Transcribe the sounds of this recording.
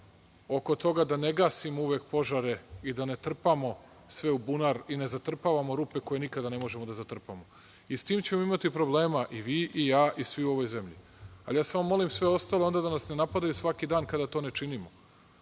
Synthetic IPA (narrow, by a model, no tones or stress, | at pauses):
o̞ko̞t̪o̞ɡad̪aneɡaːsimouʋekpo̞ʒaɾe̞id̪ane̞t̪r̩pamo̞ | sʋe̞ubunaɾinezat̪r̩paːʋamoɾuːpe̞ko̞je̞nikad̪ane̞mo̞ʒemod̪azat̪r̩pamo | ist̪iːmt͡ɕe̞moimat̪ipɾo̞bleːmaʔiʋiːʔijaːʔisʋiuo̞ʋojzemʎḭ | a̰ljaːsaʋamːo̞limsʋe̞o̞st̪ale̞o̞nd̪ad̪anasne̞napad̪ajusʋakid̪aːnkad̪at̪o̞ːnet͡ʂinimo